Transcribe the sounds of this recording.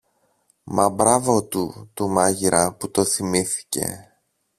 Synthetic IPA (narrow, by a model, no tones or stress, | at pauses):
mɐbɾɐvo̞t̪ut̪umɐʝiɾɐput̪o̞θimiθi̥ce̞̰